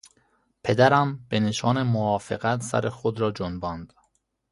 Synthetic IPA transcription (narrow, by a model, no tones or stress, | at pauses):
pʰe̞d̪æɾæmb̥eneʃɒːnemoɒːfeɡæt̪sæ̰ɾexod̪ɾɒːd͡ʒonbɒːnd̪̥